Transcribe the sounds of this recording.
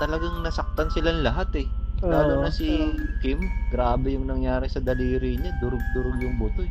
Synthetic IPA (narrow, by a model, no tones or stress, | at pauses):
t̪ɐlɐɡaŋnɐsɐk̚t̪ansɪlanlɐɦat̪ɛlaːlonɐsikɪmɡɾaːbɛjʊŋnɐŋjaːɾɪsɐd̪ɐliːɾiɲad̪ʊɾʊɡ̚d̪ʊɾoɡjʊŋbʊt̪o